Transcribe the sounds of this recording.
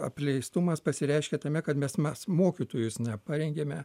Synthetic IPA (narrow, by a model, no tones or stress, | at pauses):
ɐ̰pʲlʲɛɪst̪umɐspɐsʲɪɾʲɛɪʃʲkʲɛt̪ɐmʲɛkɐt̪mʲɛsmʲɛsmoːkʲit̪oːjʊsnʲɛpɑːɾʲɛŋʲɡʲeːmʲɛ